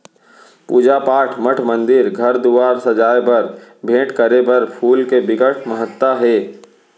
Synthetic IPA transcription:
puːd͡ʒapaːʈʰməʈʰmə̃nd̪ɪɾɡʱɐɾd̪uʋaːɾsɐd͡ʒaːjbɐɾbʱẽːʈkəɾebɐɾpʰuːlkebɪɡəʈʰməɦət̪waɦɛː

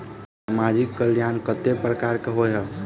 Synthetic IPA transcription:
samad͡ʒikːəljankət̪epɾəkaɾkeɦoɦə

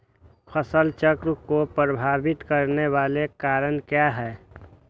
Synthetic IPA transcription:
pʰəsəlt͡ʃəkɾkopɾəbʱaːbɪt̪kəɾnewaːlekaːɾənkjaɦɛː

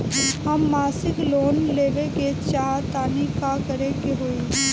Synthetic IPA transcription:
ɦɐmːaːsɪkloːnleːʋeket͡ʃaːt̪aːnikakəɾekeɦoːi

